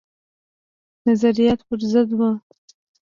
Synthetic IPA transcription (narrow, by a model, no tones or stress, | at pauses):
nazaɾijɑt̪pəɾzəd̪wə